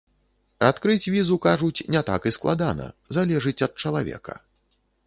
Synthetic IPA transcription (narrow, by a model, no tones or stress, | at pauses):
at̪kɾɨt͡sʲvʲizukaʐut͡sʲnʲɛt̪a̰kɨsklˠad̪anɐ̰zalʲɛʐɨt͡sʲɐt̪̚t͡ʂɐlˠavʲɛ̰kɐ̰